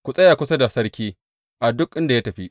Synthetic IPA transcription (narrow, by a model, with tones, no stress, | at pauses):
kʷu˨sʼɐ˦jaː˨kʷʊ˦sɐ˦da˨sɐ˦ɽkʲiː˦ | ʔa˨dʊ˦k̚ʔɪ˦nda˨jaː˦tɐ˨ɸi˦ʔ